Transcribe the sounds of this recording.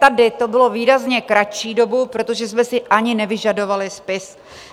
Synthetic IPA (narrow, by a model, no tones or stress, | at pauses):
t̪adɪt̪o̞bɪlo̞viːɾazɲɛkɾat͡ʃiːdo̞bupɾo̞t̪o̞ʒɛsmɛsɪʔaɲɪnɛvɪʒado̞valɪspɪs